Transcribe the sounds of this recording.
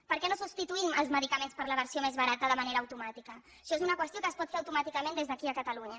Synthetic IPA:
pəɾkɛnosubst̪it̪uiməlˠzməðikəmenspəɾləβəɾsiomezβəɾat̪əðəməneɾəːwt̪umat̪ikəːʃɔezunəkwəst̪jokəːspɔt̪feəwt̪umat̪ikəmẽnd̪ezðəkiəkət̪əluɲə

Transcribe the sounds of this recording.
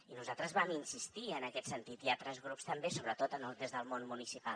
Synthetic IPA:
inuzalˠt̪ɾəzβaminsist̪iənəkɛt̪sənt̪it̪iat̪ɾɛzɣɾupst̪əmbesoβɾət̪ot̪ənəlˠt̪ezðəlˠmonmunisipal

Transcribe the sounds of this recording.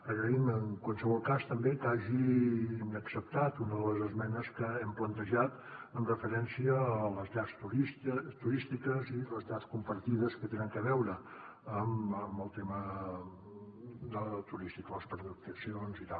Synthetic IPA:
əɣɾəiməŋkwanˠsəβɔlˠkast̪əmbekaʒinəksəp̚t̪at̪unəðələzəzmɛnəskəɛmplənt̪əʒat̪ənrəfəɾɛnsiəːləzʎast̪uɾit̪uɾist̪ikəziləzʎaskumpəɾt̪iðəskət̪enəŋkəβɛwɾə | əməməlˠt̪emə | d̪ət̪uɾist̪ikələspɾəðut̪əsionzit̪alˠ

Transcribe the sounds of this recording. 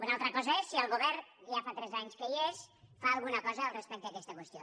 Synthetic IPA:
unalˠt̪ɾəkɔzəesːiəlˠɣuβɛɾʒafat̪ɾɛzaɲskəiesfaəlˠɣunəkɔzəːlˠrəspɛk̚t̪əːkɛst̪əkwəst̪jo

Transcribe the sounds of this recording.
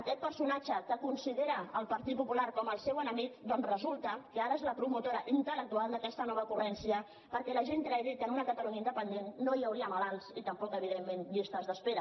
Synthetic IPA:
əkɛt̪̚pəɾsunat͡ʃəkəkunsiðeɾəːlˠpəɾt̪it̪̚pupulaɾkɔməlˠsewənəmik̪̚d̪ɔnzrəzulˠt̪əkəaɾəezləpɾumut̪oɾəʔint̪ələk̚t̪ualˠd̪əkɛst̪ənɔβəkurɛnsiə | pəɾkɛləʒent̪ɾajðit̪ənunəkət̪əluɲaind̪əpənd̪enːoiəwɾiəmalalˠsit̪əmpɔkəβ̞iðemːenʎist̪əzðəspeɾə

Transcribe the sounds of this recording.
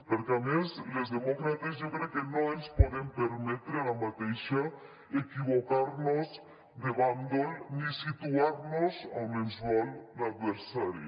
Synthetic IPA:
poɾkeameslezðemokɾat̪ezʝokɾeokenoeʎspweðempeɾmet̪ɾalamat̪eʃa | ekiβokaɾnoz | d̪eβand̪olnisit̪uaɾnosawmenswalnad̪βeɾsaɾjo

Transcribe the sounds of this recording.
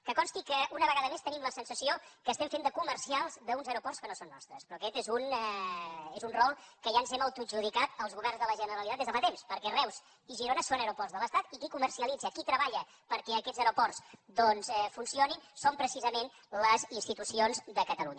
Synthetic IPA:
kəkɔnst̪ikəʔunəβəɣaðəmest̪ənimləsənsəsiokəːst̪ɛɱfend̪əkuməɾsialˠzðəunzəɾupɔrtskənosonːɔ̰st̪ɾəspɾɔəkɛt̪ezunɛezunrɔlˠkəʒanzɛməlˠt̪uʒuð̞ikat̪əlˠzɣuβɛrnzðələʒənəɾəlit̪at̪ezðəfat̪emspəɾkɛrɛwz | iʒiɾonəsonəɾupɔrtzðələst̪at̪ikikuməɾsiəlid͡zəkit̪ɾəβaʎə | pəɾkɛəkɛd͡zəɾupɔrsd̪ɔnzɛfunsioninsompɾəsizəmen | ləzinst̪it̪usionzðəkət̪əluɲə

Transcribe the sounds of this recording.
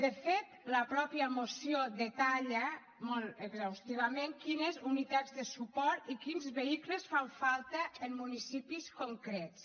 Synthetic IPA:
d̪əfet̪ləpɾɔpiəmosiod̪ət̪aʎə | moləɡzawst̪iβ̞amẽŋkinəzunit̪ad͡zðəsupɔɾt̪ikinzβeikləsfaɱfalˠt̪əːmmːunisipiskoŋkɾɛts

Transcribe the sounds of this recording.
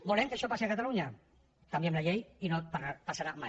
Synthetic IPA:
bulɛmkeaʃɔpasiakat̪aluɲa | kambjɛmlaʎejinopapasaɾamaj

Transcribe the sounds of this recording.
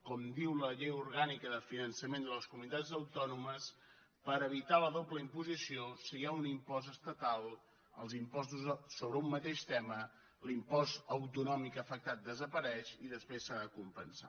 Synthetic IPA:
kɔmd̪iwləʎejuɾɣanikəðəfinənsəmend̪ələskumunit̪ad͡zəwt̪ɔnuməs | pəɾəβit̪aləðopləimpuzisiosiaunimpɔzəst̪ət̪alˠ | əlˠzimpɔst̪uzsoβɾəumːət̪eʃt̪ɛmə | limpɔzəwt̪unɔmikəfək̚t̪at̪̚d̪əzəpəɾɛʃiðəspɾesːaðəkumpənsa̰

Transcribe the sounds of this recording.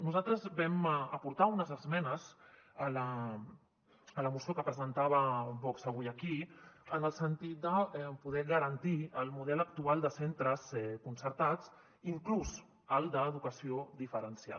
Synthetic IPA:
nuzalˠt̪ɾəzbɛməpuɾt̪aunəzəzmɛnəzələ | ələmusiokəpɾəzənt̪aβəβɔksəβ̞ujəkiənəlˠsənt̪it̪̚d̪əɛpuðɛɣəɾənt̪iəlˠmuðɛləkt̪ualˠd̪əsent̪ɾəzɛkunsəɾt̪at͡s | iŋkluz | əlˠd̪əːðukəsiod̪ifəɾənsja̰l

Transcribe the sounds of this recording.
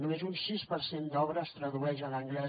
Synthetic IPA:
numezunsispəɾsend̪ɔβɾəːst̪ɾəðuɛʃələŋɡlɛ

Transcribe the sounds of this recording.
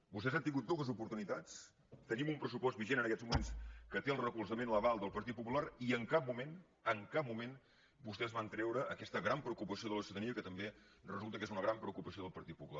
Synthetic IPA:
bust̪ɛzant̪iŋɡut̪̚d̪ɔɣəzupuɾt̪unit̪at͡s | t̪ənimumpɾəsupɔst̪biʒenənəkɛd͡zmumenskət̪eəlˠrəkulˠzəmenləβalˠd̪əlˠpəɾt̪it̪̚pːupulaɾiəŋkap̚mumen | əŋkap̚mumen | bust̪ɛzβant̪ɾɛwɾəʔəkɛst̪əɣɾampɾəukupəsioðələsuðəðəniəkət̪əmbe | rəzulˠt̪əkezunəɣɾampɾəukupəsioðəlˠpəɾt̪it̪̚pupula

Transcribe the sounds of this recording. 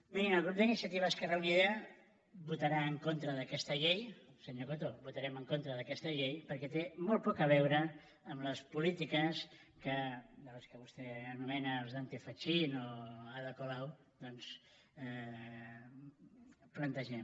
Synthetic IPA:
miniməlˠɣɾup̚d̪əinisjət̪iβəskərauniðeə | but̪əɾaəŋkont̪ɾəðəkɛst̪əʎejsəɲokot̪oβut̪aɾɛməŋkont̪ɾəðəkɛst̪əʎejpəɾkɛt̪emolˠpɔkəβɛwɾəː | mləspulit̪ikəs | kəd̪ələskəβust̪ɛənumɛnəlzðant̪efat͡ʃinoaðəkolaw | d̪ɔns | plənt̪əʒɛm

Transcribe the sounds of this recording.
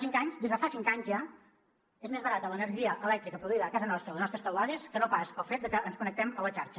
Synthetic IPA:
siŋkaɲzd̪ezðəfasiŋkaɲzʒa | ezmezβəɾat̪ələnəɾʒiəʔəlɛk̚t̪ɾikəpɾuðuiðəːkazənɔst̪ɾəileznɔst̪ɾe̥st̪əwaðeskənopasəlˠfet̪̚d̪əkəʔənskunək̚t̪ɛmələt͡ʃaɾt͡ʃə

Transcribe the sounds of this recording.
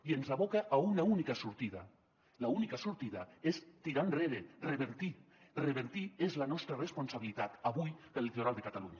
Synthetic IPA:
ienzaβokaʔaunaunikasuɾt̪ið̞a̰ | launikasuɾt̪iðaest̪iɾanreɾereβeɾt̪i | reβeɾt̪iezlanɔst̪ɾaresponsaβilit̪at̪aβujðelːit̪oɾalˠd̪ekat̪aluɲa

